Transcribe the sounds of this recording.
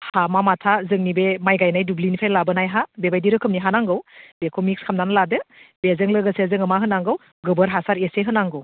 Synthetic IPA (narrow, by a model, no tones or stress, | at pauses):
hamamatʰazɯŋnibemajɡajnajdublinipʰajlabɯnajɦabebajdiɾɯkʰɯmniɦanaŋɡɯwbekʰomik̚skʰamnanladɯbezɯŋlɯɡəsezɯŋɯmaɦɯnaŋɡɯw | ɡɯbəɾɦasaɾeseɦɯnaŋɡɯw